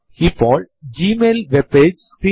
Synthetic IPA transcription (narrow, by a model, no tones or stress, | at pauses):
hiːfɔːlɖd͡ʒiːmeːlʋɛbpeːd͡ʒskɾĩ